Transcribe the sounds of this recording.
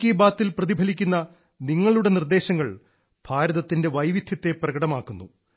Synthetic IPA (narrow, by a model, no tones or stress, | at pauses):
kiːbaːt̪ːilprɐðibʱɐlikʲːunːɐ | niŋːɐɭuɽe̞nird̪e̞ːɕɐŋːɐɭ | b̥ʱaːɾɐðɐt̪ːinde̞ʋɐjʋid̪ʱjɐt̪ːe̞prɐɡɐɽɐmaːkːunːṵ